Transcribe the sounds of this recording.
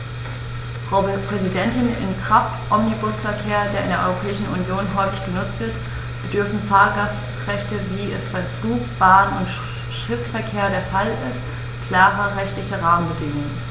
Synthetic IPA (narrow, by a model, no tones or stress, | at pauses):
ʁopʁ̥ɛzidɛntɪnɪ̰nkʁ̥af | ʔɔmnibʊsfɛɐkʰeːɐdeːɐɪndeːɐʔɔʏʁopʰɛːɪʃn̩unjoːnɦɔʏfɪçɡ̥ənʊt͡stv̥ɪɐt | b̥ədʏɐfn̩faːɐɡas | ʁɛçtəviːɛsfɛɐɡluːpb̥aːənʊnt | ʃɪfsfɛɐkʰeːɐdeːɐfalɪst | kl̥aːʁəʁɛçtlɪçəʁaːmənbədɪŋən